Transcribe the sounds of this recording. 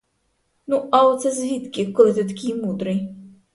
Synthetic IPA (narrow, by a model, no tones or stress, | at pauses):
nuʔaɔt̪sɐzʲvʲit̪kʲikɔlʲt̪ɨt̪̬akʲijmud̪ɾɨj